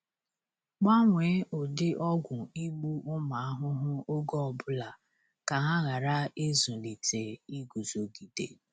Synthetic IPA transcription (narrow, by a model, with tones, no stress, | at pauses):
k͡pa˦ŋʷe˨˦ʔʊ˨dɪ˦ʔɔ˦ɡʷʊ˨i˦ɡ͡bu˦ʔʊ˦ma˨a˦ɦʊ˦ɦʊ˦o˦ɡɔ˦ɔ˨bʊ˦la˨ | ka˨ɦa˦ɣa˨ɾa˦e˦zu˨li˨te˨i˦ɡu˨zo˨ɡi˨dḛ˨